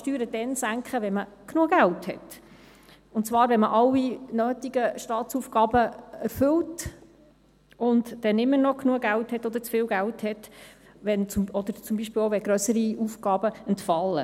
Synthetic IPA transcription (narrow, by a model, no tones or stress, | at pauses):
ʃtyːɾəd̥ɛnsæŋkχəʋɛnməknuəɡælthɛt | ʊntt͡svɑːɾvɛnməʔɑlːinøːtiɡəʃtɑːtt͡sufɡ̥ɑːbəɛɾfʏlt | ʊndd̥ɛnɪmːənɔknuəɡælthɛtːɔd̪əɾt͡sfɪːlɡælthɛt | ʋɛnʊɔd̪əɾt͡sʊmbiːʃpɪːloʋɛɡɾœsəɾiuːfɡ̥ɑːbəɛntfɑlːə̰